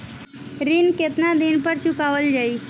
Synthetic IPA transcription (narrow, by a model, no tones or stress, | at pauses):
ɾinket̪nad̪ɪnpəɾt͡ʃʊkaːʋəld͡ʒaːi